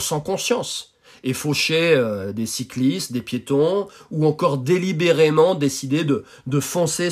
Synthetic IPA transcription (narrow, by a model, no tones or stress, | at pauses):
sɑ̃kɔ̃sjɑ̃s | efoʃeød̪esiklist̪d̪epjet̪ɔ̃uɑ̃kɔʁd̪elibeʁemɑ̃d̪esid̪ed̪ə | d̪əfɔ̃se